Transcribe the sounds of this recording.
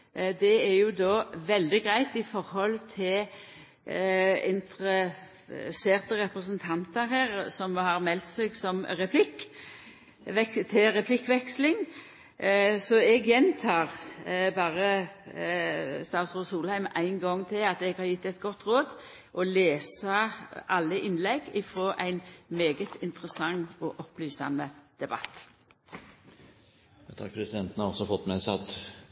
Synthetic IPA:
d̪ɛæɾjʊd̪oːʋɛld̪ɪɡʁæɪt̪ɪfɔɾhɔlt̪ʰɪl | ɪ̰nt̪ɾə | seːʁt̪əɾɛpɾəs̬ənt̪ʰɑnt̪əɾhæːʁsɔmhɑʁmɛlt̪seːɡsɔmɾɛpʰlɪk | ʋɛkt̪ʰɪɾɛpʰlɪkːʋɛkslɪŋ | sɔɛɡjɛnt̪ʰɑːʁbɑːʁə | st̪ɑːt̪sʁoːsuːlhæɪmæɪnɡɔŋt̪ʰɪlɑt̪ɛɡhɑːɾjɪt̪ːɛɪt̪ɡɔt̪ːʁoːd̪ | ʔɔleːsɑʔɑlːəʔɪnlɛɡɪfɾoːʔæɪnmeːɡət̪ʰɪnt̪ʁəsɑŋːɔʔɔplyːsɑ̰məd̪̥ɛbɑ̰t̪ː | t̪ʰɑ̰k̚ːpʰɾɛsɪd̪ɛnt̪n̩hɑɾɔsɔfɔt̪ːmæɪsɑt̪ː

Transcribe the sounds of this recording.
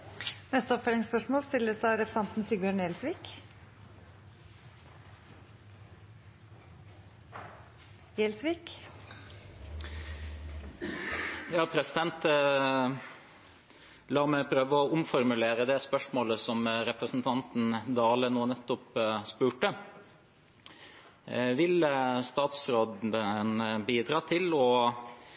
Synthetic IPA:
nɛst̪əɔpfɛlɪŋspœʂmoːlst̪ɪlːəsɑɾɛpɾəsɑnt̪nsyːɡbjœːɳeːlsʋiːk | eːlsʋiːk | jɑːpʰɾɛsɪd̪ɛnt̪ | lɑːmɛpʰɾøːʋəɔʊmfɔɾmʉleːɾəd̪ɛspœʂmoːləsɔmɾɛpɾəsn̩t̪ʰɑnt̪n̩d̪ɑːlənoːnɛt̪ːʊpspʉːʈə | ʋɪləst̪ɑːt̪sɾoːd̪ənbiːd̪ɾɑːt̪ʰɪlɔ

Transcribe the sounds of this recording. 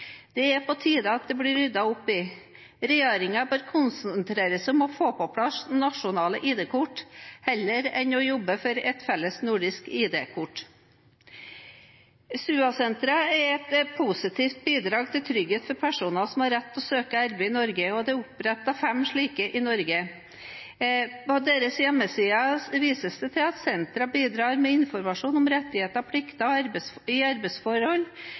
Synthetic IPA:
d̪̥ɛæpʰɔt̪ʰiːd̪əɑt̪̚d̪ɛbɽɪɾʏd̪ɑʊpːɪ | ɾɛjeːɾɪŋɑbøːɾkʰʊnsənt̪ʰɾeːɾəsɔmɔfoːpɔpʰlɑsnɑʂʊnɑːləʔiːd̪eːkʊʈːhɛlːəɾɛnɔjɔbːəfɔɾɛt̪fɛlːəsnuːɖɪskiːd̪eːkʰʊʈː | sʉːɑsɛnt̪ɾəɛɾɛt̪pʰusɪt̪ʰiːft̪̚biːd̪ɾɑːɡ̚t̪ʰɪlt̪ʰɾʏɡheːt̪fɔɾpʰæʂuːnɑsɔmhɑɾɛt̪ːɔsøːkəæɾbəɪnɔɾɡəɔd̪ɛʊpɾɛt̪ːɑfɛmʂɭiːkəʔɪnɔɾɡə | pɔd̪eːɾəsjɛmːəsiːɑʋiːsəsd̪ɛt̪ʰɪlɑt̪sɛnt̪ɾɑbiːd̪ɾɑːɾmɛɪnfɔɾmɑʂuːnɔmɾɛt̪ːɪheːt̪əɑpʰlɪkt̪ɑɔɑɾbsɪɑɾbəsfɔɾhɔlː

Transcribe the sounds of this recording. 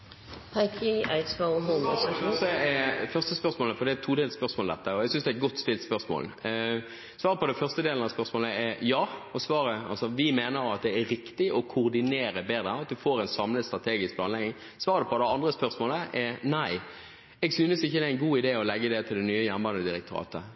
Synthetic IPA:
pʰaɪkʰɪaɪtsfɔʊɦʊmsəɛfœʁst̪əspœʁsmoːləfɔʁɾd̪ɛæt̪ʰuːd̪eːlspœʁsmoːld̪ɛt̪ːəɔɛɡsʏnsd̪ɛæɛt̪̚ɡɔt̪ːst̪ɪlt̪spœʁsmo̰ːl | sʋɑːɾəpɔd̪ɛfœʁst̪əd̪eːlnɑspœʁsmoːləɛɾjɑːɔsʋɑːɾəɑ̰lsɔʋɪmeːnəɾɑt̪̚d̪ɛæɾɪkt̪ɪʔɔkʰʊːʁd̪ɪneːɾəbeːd̪ɾəɑt̪̚d̪ʉfoːɾɛɪnsɑmləst̪ɾɑt̪ʰeːɡɪsk̚plɑːnlɛɡnɪŋ | sʋɑːɾəd̪ɛpʰɔd̪ɛɑnd̪ʁəspœʁsmoːləʔɛɾnæɪ | ɛɡsyːnəsɪçːəd̪ɛæɪnɡuːɪd̪eːɔlɛɡːəd̪ɛt̪ʰɪld̪ɛnyːəjæʁnəbɑnəd̪ɪɾək̚t̪ʰʉɾɑ̰ːt̪ə

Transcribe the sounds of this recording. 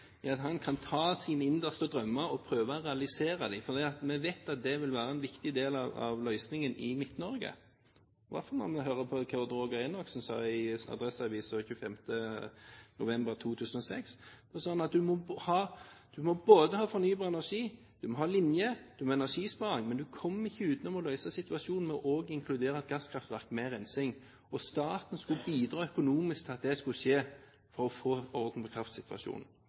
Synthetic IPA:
ɑt̪hɑnkʰɑnt̪ʰɑːsiːnəɪnd̪əst̪əd̪ɾœmːəɾɔpʰɾøːʋɑʁɛɑlɪseːɾɑd̪ɪfɔɾd̪iːɑt̪mɛʋeɪt̪ɑt̪̚d̪ɛʋɪlʋæːɾəɛnʋɪkt̪ɪd̪eːlɑʋɑ̰ʋlœʏsnɪŋənɪmɪt̪nɔɾɡə̰ | ʋɑ̰ɾfɔʁnɔ̰ʁmɛɦøːɾəpʰɔkʰɑd̪ɾoːɡəɛnɔksn̩sɑ̰ɪɑ̰d̪ɾɛsɑʋiːsɔçʉːfɛmt̪ə | nʊ̰ʋɛmbəɾt̪ʰuːt̪ʰʉːsənɔsɛ̰ksd̪ɔsɑːɑnɑt̪̚d̪ʉmɔhɑːd̪̥ʉmɔboːd̪əhɑːfɔɾnyːbɑːʁɛnæʁʂiː | d̪̥ʉmɔhɑːlɪnjəd̪̥ʉmɔɛnæʂiːspɑːʁɪŋmɛnd̪ʉkʰɔmːɪçːəʉːt̪nɔmɔlœʏsəsɪt̪ʋɑʃuːnn̩mɛɔʔoːɡɪŋkʰlʉd̪eːɾəɑt̪̚ɡɑskʰʁɑft̪ʋæʁkmɛɾɛnsɪŋ | ɔst̪ɑːt̪n̩skʉbiːd̪ɾɑːœkʊnuːmɪsk̚t̪ʰɪɑt̪̚d̪ɛskʉʃeː | fɔɾɔfoːɔɾd̪n̩pɔkʰɾɑft̪sɪt̪ʋɑ̰ʃṵːnn̩

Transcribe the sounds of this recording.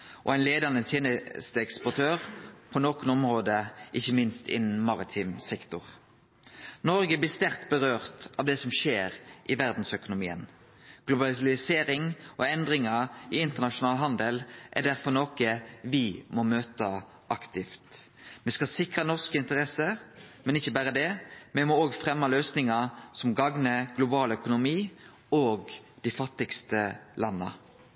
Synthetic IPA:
ʔɔ̰æɪnleːd̪ɑnət̪ʰjeːnəst̪əɛkspʊt̪ʰøːʁpʰɔnoːkənɔmʁoːd̪əʔɪçːəmɪnst̪ɪ̰nn̩mɑʁɪt̪ʰiːmsɛkt̪ʊʁ | nɔɾɡəblɪːst̪æʁt̪bəʁøːʁt̪ɑʋd̪ɛsɔmʃeːʁʔɪʋæʁd̪n̩sœkʊnʊmiːə̰n | ɡ̥lʊbɑllɪseːɾɪŋɔɛnd̪ʁɪŋɑɪɪnt̪əʁnɑʃʊnɑːlɦɑnd̪əlʔæ̰ɖ̪æʁfɔnoːkəʋɪmɔmøːt̪ə | ʔɑkt̪ɪft̪ | mɛskɑsɪkʁɑnɔʁskəɪnt̪əʁɛsə | mɛnɪçːəbæːɾəd̪ɛmɛmɔoːɡfʁɛmːɑløːsnɪŋɑsɔmɡɑŋnəɡlʊbɑːlœkʊnʊmiː | oːɡd̪̥ɪfɑt̪ːɪkst̪əlɑnːə̰

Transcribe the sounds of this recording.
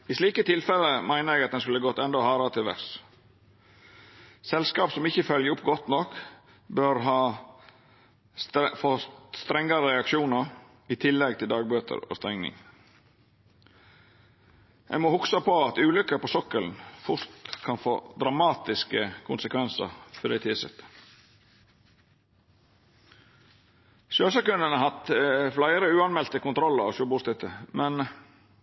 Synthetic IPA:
ɪsliːkət̪ʰɪlfɛləmæɪnəɾæɡɑt̪d̪ɛnskʉlːəɡɔt̪ːɛnd̪ɔhɑːɾɑt̪ʰɪlʋæ̰ɾs | sɛlskɑːpsɔmɪçːəfœljəʊpːɡɔt̪nɔk | bœɾɦɑː | sfɔt̪st̪ɾɛŋːɑɾəɾɛɑkʃuːnəɾ | ɪt̪ʰɪlːɛɡt̪ʰɪld̪ɑːɡ̚bøːt̪ʰə̰ɾo̰ːst̪ɛŋnɪ̰ŋ | æ̰ɪmoːhʊksɑpʰoɑt̪ʉːlʏkəpʰosɔkəln̩fʊɾt̪kʰɑnfo̰ːd̪ɾɑmɑːt̪ɪskəkʰʊnsəkʰʋɛnsə̰ɾfɔd̪ɛɪt̪ʰɪːsɛ̰t̪ə̥ | ʃøːsɑkʉnənəhɑt̪flæɪəɾəʉːɑnmɛlt̪əkʊnt̪ʰɾɔlːəɾɑ̰ʃuːbuːst̪ɪt̪ʰəmɛn

